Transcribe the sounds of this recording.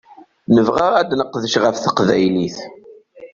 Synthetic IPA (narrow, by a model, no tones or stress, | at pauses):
nəvʁæʁæd̪nəqːðəʃʁəfθə̥qvæjliθ